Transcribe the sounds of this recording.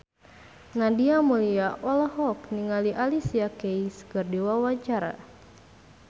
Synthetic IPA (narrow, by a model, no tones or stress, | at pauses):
nadiamuliaʔɔlɔɦɔk̚niŋaliʔalisiakeiskɨrdiwawaɲt͡ʃaɾa̰